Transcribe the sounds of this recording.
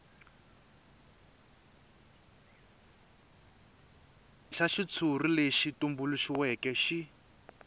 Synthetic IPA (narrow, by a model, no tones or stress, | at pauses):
ʃaʃit͡sʰurileʃitumbuluʃiwɛkɛʃi